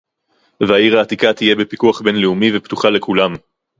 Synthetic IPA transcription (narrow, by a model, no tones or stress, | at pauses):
veaiʁaːt̪ikat̪ije̞bepikuaχbe̞nleumivept̪uχale̞kʰulam